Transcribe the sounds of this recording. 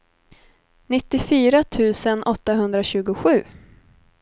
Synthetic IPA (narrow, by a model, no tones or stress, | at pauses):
nɪt̪ːɪfyːɾat̪ʰʉ̟ːsənʔɔt̪ːaɦɵnd̪ɾaɕʉ̟ːɡʊɧʉ̟ː